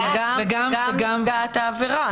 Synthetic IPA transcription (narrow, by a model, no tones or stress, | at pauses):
ɡaeɡamveɡamaat̪aːveʁa